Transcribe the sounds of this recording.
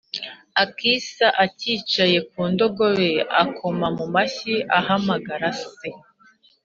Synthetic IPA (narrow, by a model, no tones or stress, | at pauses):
akisaʔaciːt͡ʃaje̞k̚uːndo̞ɡo̞βe̞akʰo̞mamumaçiʔahamaɡaɾase